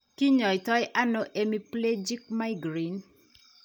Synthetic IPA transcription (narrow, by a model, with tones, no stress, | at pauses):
ki˦ɲɔ˨ɪ˨tɔ˦jʔa˦no˦ʔe˦mi˦ple˦d͡ʒi˦k̚ma˦i˦ɡɾi˦n